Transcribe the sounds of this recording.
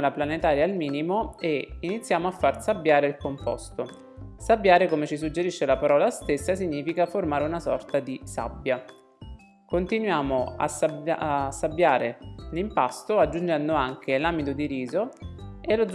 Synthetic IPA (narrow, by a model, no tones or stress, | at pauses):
laplanet̪aːɾjaːlmiːnimoeinit̪sːjaːmoafːarsabːjaːɾeilkompɔ̰st̪o | sabːjaːɾekomet͡ʃisud͡ʒːeɾiʃːelapaɾɔːlast̪esːasiɲːiːfikaformaːɾeunasɔ̰rt̪ad̪isa̰bːja | kont̪inwjaːmoa̰sabsːabːjaːɾelimpast̪oad͡ʒːund͡ʒɛnd̪oaŋk̟ʰelamit̪od̪iɾiːzoelod̪z